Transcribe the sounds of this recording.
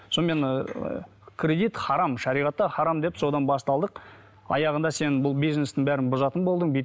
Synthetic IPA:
so̞nme̞n | kʲʰɾʲe̞d̪ijt̪χɑɾɑmʃɑɾijʁɑt̪ːɑχɑɾɑmd̪e̞pso̞d̪ɑnbɑst̪ɑlˠd̪əq | ɑ̰jɑʁənd̪ɑse̞nbʊlˠbijzne̞st̪ɪŋbæɾɪnbʊzɑt̪ənbo̞lˠd̪əɴbi

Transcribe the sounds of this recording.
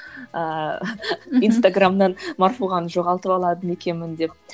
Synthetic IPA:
ə | inst̪aɡramd̪ɑnmarfuʁɑnʒo̞ʁɑlˠt̪əpɑlˠɑd̪əne̞kʲe̞mɪnd̪e̞p̚

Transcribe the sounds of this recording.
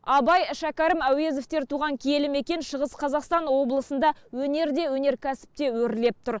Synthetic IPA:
ɑbɑjʃækʲɑɾəmæwe̞zeft̪e̞ɾt̪ʰuʁɑŋkʲʰije̞lɪme̞kʲe̞nʃəʁəsqʰɑzɑqst̪ɑnwo̞blˠəsənd̪ɑwɵne̞ɾd̪e̞wɵne̞ɾkʲʰæsɪ̥p̚t̪e̞wɵɾle̞p̚t̪ʰʊɾ

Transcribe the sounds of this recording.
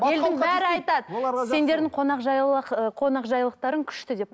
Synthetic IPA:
je̞ld̪ɪŋbæɾɪɑjt̪ɑd̪əoɑse̞nd̪e̞ɾd̪ɪŋqʰonɑqʒɑjˠəqqʰo̞nɑqʒɑjlˠəq̚t̪ɑɾəŋkʲʰʏ̥ʃt̪ɪd̪e̞p̚

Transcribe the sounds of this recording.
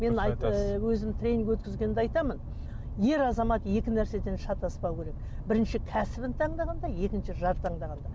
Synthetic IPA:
me̞nɑj̪wɵzɪmt̪ʰɾʲe̞niŋɡʲwɵt̪kʲɪzɡʲenɪnd̪eɑjt̪ɑmən | je̞ɾɑzɑmɑt̪je̞kʲɪnæɾse̞d̪e̞nʃɑt̪ɑspɑwkʲʰe̞ɾe̞k | bɪɾɪnʃɪkʲʰæsɪbɪnt̪ʰɑɴd̪ɑʁɑnd̪ɑje̞kʲɪnʃɪʒɑɾt̪ʰɑɴd̪ɑʁɑnd̪ɑ

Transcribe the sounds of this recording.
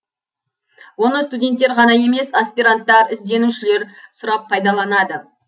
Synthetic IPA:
wo̞nəst̪udʲe̞nt̪ːe̞ɾʁɑnɑje̞me̞saspijɾant̪ːɑɾɪzd̪e̞nuʃɪle̞ɾsʊɾɑp̚ʰːɑjd̪ɑlˠɑnɑd̪ə

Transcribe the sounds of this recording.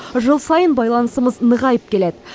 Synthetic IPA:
ʒəlˠsɑjənbɑjlˠɑnəsəməznəʁɑjəp̚kʲʰe̞led̪ɪ

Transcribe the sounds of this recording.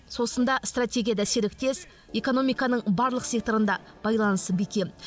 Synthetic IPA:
so̞sənd̪ɑst̪ratʲe̞ɡʲijad̪æseɾlɪk̚t̪ʰe̞s | e̞ko̞no̞mijkɑnəɴbɑɾlˠəqse̞k̚t̪o̞ɾənd̪ɑ | b̥ɑjlˠɑnəst̪əbekʲe̞n

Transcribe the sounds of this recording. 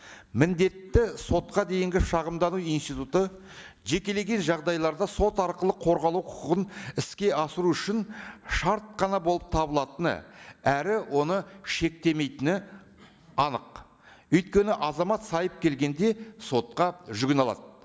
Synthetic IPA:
mɪnd̪e̞t̪ːɪso̞t̪̚qɑd̪e̞jɪŋɡʲɪʃɑʁəmd̪ɑnuijnst̪ijt̪ut̪ə | ʒe̞kʲe̞le̞ɡʲe̞nʒɑʁd̪ɑjlˠɑɾd̪ɑso̞t̪ɑɾqəlˠəqʰo̞ɾʁɑlˠuwqʰʊ̥qəʁənɪskʲe̞ɑsəɾuʏʃɪnʃɑɾt̪̚qɑnɑbolˠəp̚t̪ʰɑbəlˠɑt̪ənə̰æɾɪwʔo̞nəʃe̞k̚t̪e̞me̞jt̪ɪnɪ | ɑnəq | ʏjt̪̚kʲe̞nɪʔɑzɑmɑt̪sɑjəp̚kʲʰe̞lɡʲe̞nd̪e̞so̞t̪̚qɑʒʏɡʲɪnɑlˠɑ̰d̪̚

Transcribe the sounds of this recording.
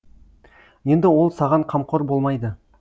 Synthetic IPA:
je̞nd̪ɪwo̞lˠsɑʁɑɴqʰɑmqʰoɾbo̞lˠmɑjd̪ə

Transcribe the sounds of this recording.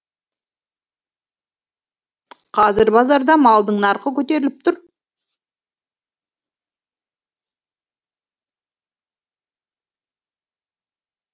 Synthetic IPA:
qʰɑzɪɾbɑzɑɾd̪ɑmɑlˠd̪əɴnɑɾqəkʲʰɵt̪e̞ɾɪlɪp̚t̪ʰʊɾ

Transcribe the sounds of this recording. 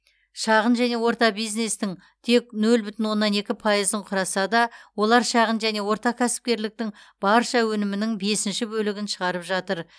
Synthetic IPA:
ʃɑʁənʒæne̞wo̞ɾt̪ɑbijzne̞st̪ɪŋ | t̪ʰe̞k̚nɵlbʏt̪ɪnwo̞nːɑne̞kʲɪpʰɑjəzəɴqʰʊɾɑsɑd̪ɑwo̞lˠɑɾʃɑʁənʒæne̞wo̞ɾt̪ɑkʲʰæsɪ̥p̚kʲe̞ɾlɪk̚t̪ɪŋ | b̥ɑɾʃɑwɵnɪmɪnɪŋbe̞sɪnʃɪbɵlɪɡʲɪnʃəʁɑɾəpʒɑt̪əɾ

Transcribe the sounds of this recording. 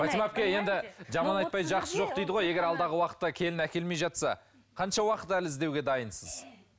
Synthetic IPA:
ɑt̪imɑpkʲeje̞nd̪ɪʒɑmɑnɑj̪̚pɑj̪ʒɑqsəʒo̞q̚d̪ejd̪əʁo̞je̞ɡʲe̞ɾɑlˠd̪ɑʁəwɑqə̥t̪ːɑkʲʰe̞lɪnækʲe̞lme̞jʒɑt̪sɑ̰ | qʰɑnʃɑwɑqət̪ælɪzd̪e̞wɡʲe̞d̪ɑjənsəz̥

